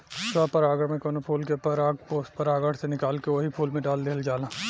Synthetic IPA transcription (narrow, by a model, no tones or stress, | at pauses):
saːpɐɾaːɡəɽmẽkonopʰuːlkepɐɾaːɡpoːspɐɾaːɡəɽsenɪkaːlkeʋoɦipʰuːlmẽɖaːld̪eːld͡ʒaːlaː